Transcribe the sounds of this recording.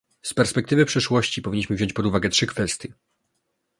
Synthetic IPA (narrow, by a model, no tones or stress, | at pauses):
spɛɾspɛk̚t̪ɘvɘpʂɛʂwɔɕt͡ɕipɔvʲiɲːiɕmɘvʑɔ̃ɲt͡ɕpɔd̪uvaɡɛtʂɘkfɛst̪ʲjɛ